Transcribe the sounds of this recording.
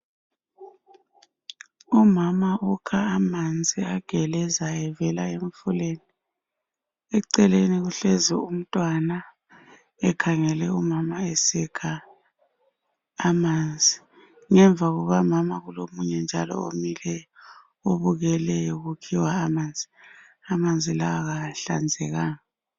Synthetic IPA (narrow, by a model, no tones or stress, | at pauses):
umamaukʰaːmand͡zʱiaɡ̥ʱɛlɛzaɛvɛlaeɱfuleni | ɛǀɛleniɣuɬezɛum̩tʼwana | ɛkʰaŋɛlɛumamaesɛkʰa | mand͡zʱi | ŋɛɱbvʱaɣuɣamamaɣulomuɲɛnd͡ʒʱa̰lɔ̰omilɛ | oβuɣɛlɛjoɣukʰiwaːmand͡zʱi | amand͡zʱilawaɣaɬa̰nd͡zʱɛɣaːŋa